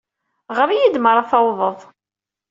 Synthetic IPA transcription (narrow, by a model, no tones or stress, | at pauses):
ʁəɾijid̪məɾˤɑθɑwðˤəðˤ